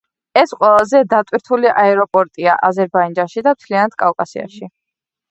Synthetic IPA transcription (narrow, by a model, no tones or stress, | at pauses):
ɛsqʼwɛlˠazɛd̪at̪ʼwiɾt̪ʰuliʔaɛɾɔpʼɔɾt̪ʼia̰ʔazɛɾbaind͡ʒanʃid̪amt̪ʰlianat̪̚kʼakʼasia̰ʃi